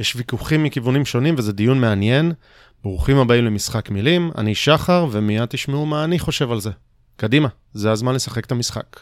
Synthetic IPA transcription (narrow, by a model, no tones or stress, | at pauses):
jeʃvikuχimːikivunimʃo̞nimvezedijunmeanje̞n | b̥ʁuχimhabaimlemisχakmilima̰niʃaχaʁve̞mijad̚t̪iʃmeumaːniχo̞ʃe̞valze̞ | kadima | zeazmanle̞saχe̞kt̪amisχa̰k